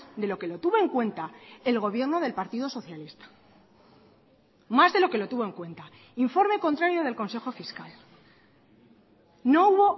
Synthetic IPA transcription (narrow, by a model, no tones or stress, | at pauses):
d̪e̞lo̞ke̞lo̞t̪uβo̞e̞ŋkwe̞nt̪ae̞lɣ̞o̞β̞je̞ɾnoð̞e̞lpaɾt̪iðo̞so̞θjalist̪ḁ | mazðe̞lo̞ke̞lo̞t̪uβoeŋkwe̞nt̪a | iɱfo̞ɾmekont̪ɾaɾjo̞ð̞e̞lko̞nse̞xo̞fiskal | no̞uβo̞